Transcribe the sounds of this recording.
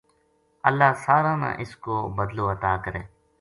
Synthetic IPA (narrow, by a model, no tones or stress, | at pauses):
əlːaːsaːɾãːnã̰ːʔɪskoːbəd̪loːət̪aːkəɾẽː